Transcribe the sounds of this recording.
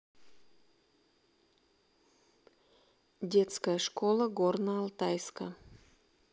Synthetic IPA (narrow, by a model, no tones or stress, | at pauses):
dʲet̪skəjəʂkolˠəɡornəɑlˠt̪ɑjskə̰